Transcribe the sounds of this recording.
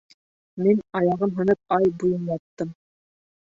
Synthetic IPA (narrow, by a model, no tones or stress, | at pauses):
minɑjɑʁɤnɦɤ̆nɤp̚ɑjbujɤnjɑt̪ːɤm